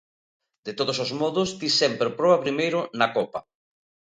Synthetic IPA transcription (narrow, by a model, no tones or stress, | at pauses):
d̪et̪oð̞osozmɔðʊst̪isɛmpɾepɾɔβɐpɾimejɾʊnɐkɔpɐ